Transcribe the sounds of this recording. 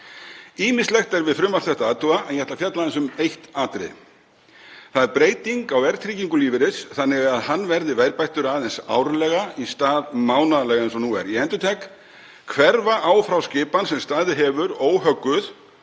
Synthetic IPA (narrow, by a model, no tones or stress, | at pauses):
iːmɪst̪lɛxt̪ɛɾvɪðfɾʏmːaɾ̥θɛht̪aaːt̪uaɛnjɛht̪lafjat̪laðɛnsʏmejht̪aːt̪ɾɪ̰ | θaðɛɾpɾeːjt̪iŋkawvɛɾ̥t̪ʰɾiːciŋkʏliːvɪɾɪsθanːɪɣaðhanːvɛɾðɪvɛjɾpajht̪ʏɾaːðɛnsa̰ːwɾlɛːɣaist̪aːðmaːwnaðlɛːɣaɛnsɔnuːɛ̰ɾiɛnt̪ʏt̪ʰɛk | kʰvɛɾvaʔaːwfɾawscɪːpansɛmst̪aːðɪɦɛːvʏɾoːwɦœkːʏθ